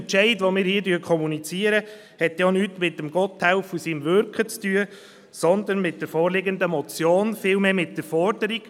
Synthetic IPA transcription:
nt͡ʃɛɪdʋomɪːɾhiːdyːkʰɔmunit͡siəɾə | hɛtjɑnyːtmɪt̚ːəmɡ̥ɔt̪hɛʊfusimʋøɾkχət͡styə | sɔnd̪ənmɪt̚d̥əɾfɔːrlɪɡənd̪əmɔt͡sjoːnfɪːlmeːmɪt̚d̥əɾfɔɾdəɾiɡ̥

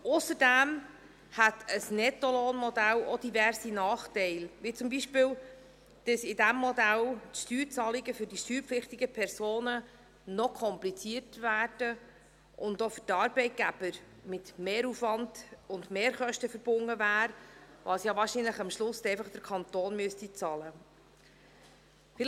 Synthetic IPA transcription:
ʊsəɾdæm | hæt̪ʰəsnɛt̪ɔloːnmɔd̪ælɔd̥ivæɾsinɑːχtɛɪlʋit͡sʊmbiʃpɪːl | d̥əsɪdæmːɔd̪æltʃtyːɾt͡sɑliɡəfʏɾdiʃtyːɾpflɪχt̪ɪɡəpʰɛɾsoːnə | nɔkʰɔmplit͡siəɾtvæːɾd̥ə | ʔʊndofʏtɑːɾb̥ɛɪt̚ɡ̥æb̥əɾ | mɪtmeːɾufvɑnd̥ʊndmeːɾχœʃtəfəɾb̥ʊŋːəvæːɾʋɑsjɑvɑːɾʃinləχɑmʃlʊsɛɪfɑχd̥̪əɾkʰɑnt̪oːnmyəstit͡sɑːlə | fɪl

